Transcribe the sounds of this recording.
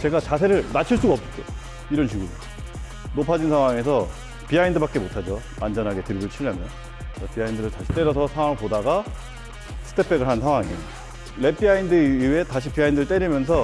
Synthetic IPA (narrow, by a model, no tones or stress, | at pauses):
t͡ɕe̞ɡat͡ɕasʰe̞ɾɯɭnat͡ɕʰiɭs͈uɡaʌp͈̚k͈e | iɾʌnɕiɡuɾo | nopʰad͡ʑinsʰaŋwaŋe̞sʰʌ | piaindɯbak͈e̞motʰad͡ʑo | mand͡ʑʌnɦaɡe̞tɯɾiɡɯɭt͡ɕʰiʎːamjʌn | ʌpiaindɯɾɯɭtaɕʰi̥t͈e̞ɾʌs̬ʰʌsʰaŋwaŋɭpodaɡa | sʰɯ̥tʰe̞pʰe̞ɡɯɭɦansʰaŋwaŋi | le̞p͈ʰiaindɯie̞taɕ̬ʰipiaindɯɾɯɭt͈e̞ɾimjʌns̬ʰʌ